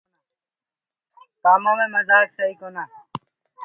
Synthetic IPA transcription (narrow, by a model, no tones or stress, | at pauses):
paːmãːmẽːməzaːksəiːkoːnaː